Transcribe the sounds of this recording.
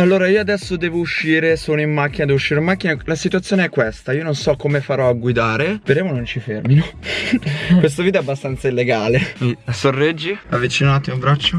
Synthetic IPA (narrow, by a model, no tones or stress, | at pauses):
alːoːɾaiːoad̪ɛsːod̪ɛːvouʃːiːɾesoːnoimːak̟ːinad̪ɛːvuʃːiːɾeoimakːinalasit̪uat̪sjoːneɛkːwest̪aiːononsɔkːomefaɾɔaɡwid̪aːɾepeɾeːmonont͡ʃifermino | kkwes̬t̪ovid̪̬ɛabːast̪ant̪sailːeɡaːlemisorːɛd͡ʒːiavːit͡ʃinaat̪ːimobɾat͡ʃːo